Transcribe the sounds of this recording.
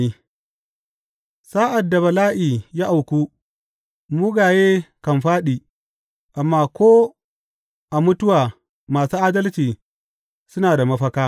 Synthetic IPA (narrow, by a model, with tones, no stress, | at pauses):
i˦ | saː˦ʔa˨dːa˨bɐ˨laː˦ʔiː˨ja˦ʔa˨wkʷuː˦ | mu˦ɡaː˨jeː˦kɐ˨mɸaː˦ɗiː˨ | ʔa˨mːaː˦kʷoː˦ | ʔa˨mʊ˦tʊ˦waː˨ | maː˨suː˦ʔaː˦dɐ˦lt͡ʃiː˨ | sʊ˦naː˨da˨mɐ˦ɸɐ˦kaː˦